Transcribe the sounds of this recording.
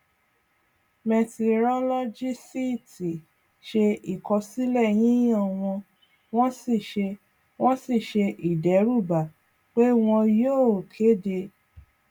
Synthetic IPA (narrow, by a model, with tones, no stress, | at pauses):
mɛ˧te˧˨ɾɔ˦lɔ˦d͡ʒi˦si˦˨ti˨ | ʃe˧i˨kɔ˧si˦lɛ˦˨j̃ĩ˦ã˦˨w̃ɔ̃˧ | w̃ɔ̃˦si˦˨ʃe˧ | w̃ɔ̃˦si˦˨ʃe˧ʔi˨dɛ˨˦ɾu˦˨ba˨ | k͡pe˦w̃ɔ̃˧joː˦˨kʰe˨˦de˧